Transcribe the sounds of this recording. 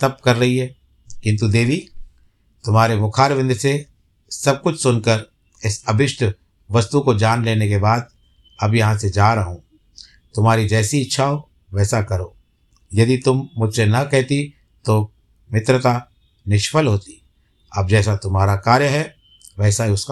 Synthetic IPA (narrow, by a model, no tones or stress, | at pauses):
t̪ɐp̚kɐɾːɐɦiɦɛː | kɪ̃nt̪̬ud̪eːʋi | t̪ʊmɦaːɾemʊkʰaːɾʋɪ̃nd̪ʱse | sɐb̚kʊt͡ʃʰsʊnkəɾ | ɪsɐbʱɪʃʈʰ | ʋɐst̪ukod͡ʒaːnleːnekebaːd̪̚ | ɐbjɐɦãsed͡ʒaːɾɐɦõː | t̪ʊmɦaːɾid͡ʒɛːsiɪtːʃʰaɦoː | ʋɛːsakɐɾoː | jɐd̪it̪ʊmːʊd͡ʒ̪ʱsenɐkɛɦt̪i | t̪o | mɪt̪ɾət̪a | nɪʃfəlɦoːt̪i | ɐb̚d͡ʒɛːsat̪ʊmɦaːɾakaːɾjəɦɛ | ʋɛːsaɦiʊsk